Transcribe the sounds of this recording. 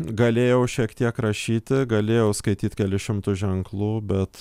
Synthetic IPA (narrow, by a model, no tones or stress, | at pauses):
ɡɐlʲeːjɛʊʃʲiɛkt̪ʲiɛkɾɐʃʲiːt̪ʲɪɡɐlʲeːjɛʊskɐɪt̪ʲiːt̪ʲkʲɛlʲɪʃʲɪmt̪ʊʒʲɛŋklˠuːbʲɛt̪